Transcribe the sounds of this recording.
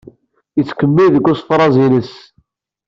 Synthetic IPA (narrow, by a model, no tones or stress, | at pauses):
ət͡sːkəmːiðəkːʊsˤfɾˤɑzinəs